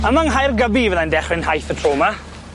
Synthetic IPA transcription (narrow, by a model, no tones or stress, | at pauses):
əmaŋɦajrɡəbivɛðandɛχrɪnhajθətʰroːma